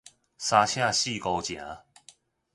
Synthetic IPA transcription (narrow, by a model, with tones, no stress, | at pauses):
sa˧ɕʰjã˥˧ɕi˥˨ko˧wt͡ɕjã̰˨˦